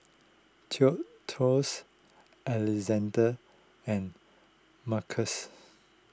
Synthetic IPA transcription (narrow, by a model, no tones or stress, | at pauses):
tʰiɔʔtʰɔs | ɛlɛzɛ̃ndə | ɛ̃n | makʰəs